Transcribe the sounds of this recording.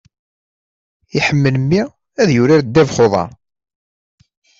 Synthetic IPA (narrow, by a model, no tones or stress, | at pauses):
iħəmːələmːi | æðjʊɾiɾd̪ːævχoðˤɑ̰